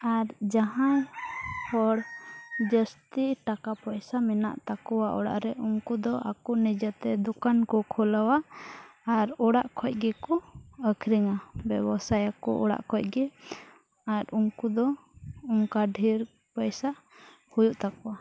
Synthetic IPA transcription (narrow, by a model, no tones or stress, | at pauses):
aɾd͡ʒaɦãjhɔɽd͡ʒəst̪iʈakapəjsamɛna̰ʔt̪akɔwaʔɔ̰ɽa̰ʔɾɛʔuŋkud̪ɔʔa̰kunid͡ʒət̪ɛd̪ɔkankɔkʰɔlawaː | ɾɔɽaʔkʰɔc̚ˀɡɛkɔəkʰɾiŋabɛbɔsajakɔ̰ʔɔ̰ɽa̰ʔkʰɔc̚ɡɛ | aɾuŋkud̪ɔ | uŋkaɖʱiɾ | pəjsa | hujuʔt̪akɔwa